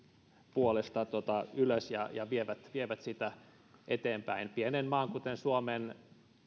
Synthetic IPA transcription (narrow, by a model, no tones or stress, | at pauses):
puolest̪ɑt̪ot̪ɑyløsjɑ̰jɑʋieʋæt̪ʋieʋæt̪sit̪æ | ʔet̪eːmpæinpienenmɑːŋkut̪ensuomen